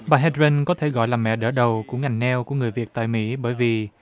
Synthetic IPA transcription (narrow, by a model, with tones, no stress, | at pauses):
ɓaː˨˩ɦɛ˧tzə˧nkɔ˨˦t̪ʰe˧˩ɣɔ̰˧˨jlaː˨˩mɛ̰˧˨ɗə̰ː˧˩ɗə˨˩wku˧˩əŋa˨˩jnɛ˧wku˧˩əŋɨ˨˩əjvi˨˩ək̚t̪a̰ː˧˨jmḭ˧˥ɓəː˧˩jvi˨˩